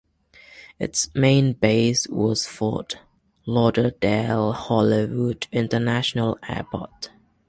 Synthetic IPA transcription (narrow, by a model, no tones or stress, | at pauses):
ɪ̰tsmẽɪ̃nbeɪswɔ̰z̥fɔ̰t | lɔdədeɪlˠhɑliwudɪ̃ntənæʃənəlˠɛ̰pʰɔ̰t